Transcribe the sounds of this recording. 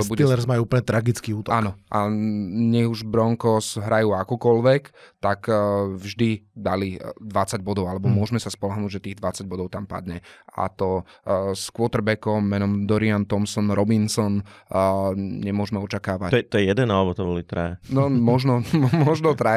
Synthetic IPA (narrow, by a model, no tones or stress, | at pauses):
t̪ɔbuɛilɛɾzmajuupl̩ɲɛt̪ɾaɡit͡skiːuːt̪ɔʔanɔʔaɲɛɦuʒbɾɔŋkɔsɦɾajuːakɔkɔlʋɛkt̪akvʒd̪id̪alid̪ʋat͡saɟbɔd̪ɔʊalɛbɔmʊɔʒmɛsaspɔlɔɦnuːɟʒɛt̪iːɣd̪ʋat͡saɟ̚bɔd̪ɔʊt̪ampa̰d̪ɲɛa̰t̪ɔskʊɔt̪r̩bɛkɔmːɛnɔmd̪ɔɾiant̪ɔmsɔnɾɔbinsɔn | ɲɛmʊɔʒmɛɔt͡ʃakaːʋaɛt̪ɔjɛjɛd̪ɛnalɛbɔt̪ɔbɔlit̪ɾɛnɔmɔʒnɔmɔʒnɔt̪ɾa